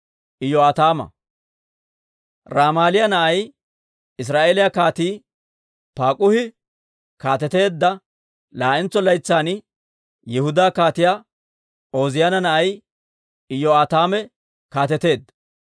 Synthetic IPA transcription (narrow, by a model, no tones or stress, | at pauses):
ʔɪjɔaːt̪aːmɐ̰ | ɾaːmaːlɪjɐnɐʔɐj | ɪs̬ɾaːʔeːlɪjakaːt̪iː | paːkʼʊhɪ | kaːt̪ɛt̪e̞ːd̪ːɐ | laːʔɪnt͡sːɔlɐjt͡sːaːn | jɛhʊd̪aːkaːt̪ɪjaː | o̞ːzɪjanɐnɐʔɐj | ɪjɔat̪aːmɛ | kaːt̪ɛt̪e̞ːd̪ːɐ